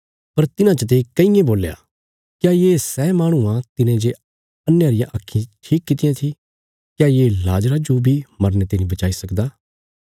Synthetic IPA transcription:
pɐɾt̪ɪnãt͡ʃət̪̬ekɐĩjẽboːleja̰ː | kjaːjeːsɛːmaːɽ̃uãt̪ɪnẽd͡ʒe | ɐnːjaɾɪjãʔɐkʰːĩʈʰiːkːɪt̪ɪjãt̪ʰi | kjaːjeːlaːd͡ʒɾad͡ʒobʱimɐɾnet̪eːnĩbɐt͡ʃaːisɐkd̪aː

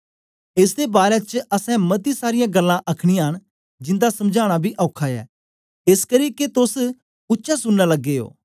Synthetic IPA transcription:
ɪs̬d̪ebaːɾet͡ʃɐsɛ̃mɐt̪̬isaːɾɪjãɡɐlːãʔɐkʰɽ̃ijãːɦəɽ̃ | d͡ʒɪ̃nd̪asɐmd͡ʒʱaːɽ̃abʱiʔɔːkʰajɛ̰ː | eskɐɾiket̪ʊs | ʊtːʃasʊnːalɐɡːeo̰ː

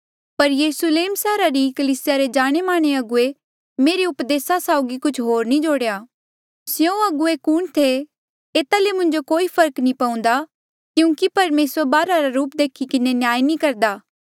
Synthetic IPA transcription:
pɐɾjɐɾʊsleːmsɛːɾaɾikɐliːsɪjaɾed͡ʒaːɽ̃emaːɽ̃eɐɡʊe | meːɾeʊpd̪eːsasaːʊɡikʊt͡ʃʰɦoːɾnĩd͡ʒoːɽejaː | sjõɐɡʊekʊːɳt̪ʰe | eːt̪alemʊ̃ɲd͡ʒokoːipʰɐɾknĩpaũnd̪a | kjũːkipɐɾmeːsəɾbaːɾaɾaɾuːpd̪eːkʰikɪnenɪjaːinĩkɐɾd̪aː

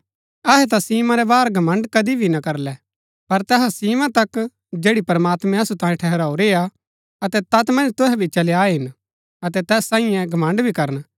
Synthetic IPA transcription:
ɐɦɛt̪̬asiːmãɾɛbaːɾɡʱɐmə̃ɳɖkɐd̪ibʱinɐkɐɾlɛ | pɐɾt̪ɛɦasiːmãt̪ɐk | d͡ʒeːɽipɐɾmaːt̪mɛ̃ɐsut̪ãːĩʈʰɛɦɛɾaːoɾeːa | ɐt̪ɛt̪ɐt̪mɐ̃nd͡ʒt̪ʊɦɛbʱit͡ʃɐljaːɦɪn | ɐt̪ɛt̪ɛːsːãːĩjɛ̃ɡʱɐmə̃ɳɖbʱikɐɾən

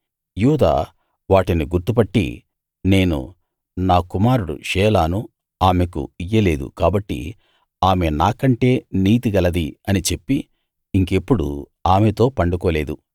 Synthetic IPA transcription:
juːd̪a̰ː | ʋaːʈiniɡuɾt̪upɐʈːḭ | ne̞ːnṵ | naːkumaːɾuɽṵʃɛːlaːnu | aːme̞kṵijːɐle̞ːd̪ṵkaːbɐʈːḭ | aːme̞naːkɐɳʈe̞ːniːt̪iɡɐlɐd̪iɐnit͡ʃe̞pːi | iŋke̞pːuɽṵ | aːmet̪o̞ːpɐɳɖukoːle̞ːd̪u

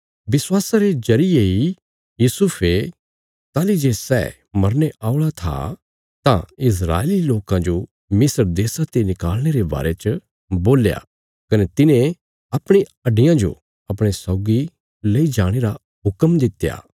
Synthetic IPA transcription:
bɪswaːsaɾed͡ʒɐɾɪjei | juːsupʰe | t̪aːlid͡ʒeːsɛ̰ː | mɐɾneʔaːʊɭat̪ʰa̰ | t̪ãɪs̬ɾa̰ːeliloːkãd͡ʒo | mɪsəɾd̪eːsat̪enɪkaːlñeɾeba̰ːɾet͡ʃ | boːlja̰ | kɐnet̪ɪnẽ | ɐpɽ̃iɐɖɪjãd͡ʒo̰ | ɐpɽ̃esɔːɡi | leid͡ʒaːɽ̃eɾa | ɦʊkəmd̪ɪt̪ːja̰ː

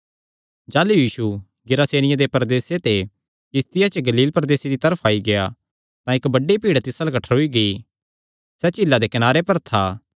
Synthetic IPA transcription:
d͡ʒaːlujiːʃu | ɡɪɾaːseːnɪjãd̪epɾd̪eːset̪e | kɪst̪ɪjat͡ʃəɡɐliːlpɾɐd̪eːsed̪it̪ɐɾəpʰaːiɡeja̰ | t̪ãɪkbɐɖepiːɽt̪ɪsalkɐʈʰəɾɦoiɡɐi | sɛt͡ʃɪlːad̪ekɪnaːɾepɐɾt̪ʰaː

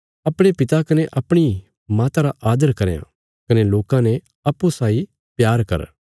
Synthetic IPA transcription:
ɐpɽ̃epɪt̪akɐneʔɐpɽ̃i | maːt̪aɾaʔaːd̪əɾkɐɾeã̰ | kɐneloːkãnɛ | ɐpːusaːi | pjaːɾkɐ̰ɾ

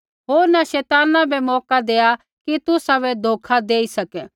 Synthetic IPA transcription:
ɦoːɾnaʃɛːt̪aːnãbʱɛmɔːkad̪eːa | kit̪ʊsaβɛd̪ʱoːkʰad̪eːisɐkɛ

